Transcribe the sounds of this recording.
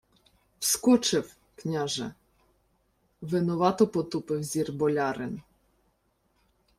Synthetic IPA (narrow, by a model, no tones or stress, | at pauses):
wskɔt͡ʃɪw | knʲaʒɛ̰ | ʋɪnɔʋɑt̪ɔpɔt̪upɪwzʲirbɔlʲɑɾɪn